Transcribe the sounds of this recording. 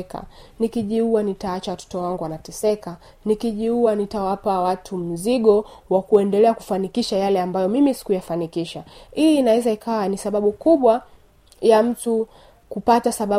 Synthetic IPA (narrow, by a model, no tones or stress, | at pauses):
ka̰nikiʄiuwanitaat͡ʃawatɔ̥tɔwaŋɡuwanatɛsɛka | nikiʄiuanitawapawatʰum̩ziɠɔwakuɛndɛlɛaku̥fanikiʃajalɛambajɔmimisi̥kujafanikiʃaiːnawɛzaikʰawanisaɓaɓukuɓwa | jam̩tu | kupatasaɓa